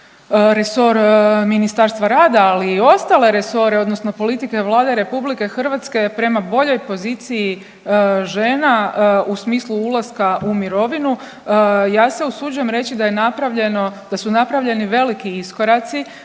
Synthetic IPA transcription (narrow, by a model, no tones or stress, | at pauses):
ɾeso̞ɾminist̪aɾst̪ʋaɾaːd̪aːliːo̞st̪ale̞ɾe̞so̞ɾeo̞d̪no̞sno̞po̞lit̪ike̞ʋlˠaːd̪eɾe̞publike̞xr̩ʋat̪ske̞pɾe̞mabo̞ʎo̞jpo̞ziːt̪siji | ʒe̞ːnausmiːslˠuulˠaskaʔumiɾo̞ʋinu | jaːse̞usud͡ʒuje̞mɾe̞t͡ɕid̪aje̞napɾaʋʎenod̪̥asunapɾaʋʎe̞niʋe̞likiisko̞ɾat̪si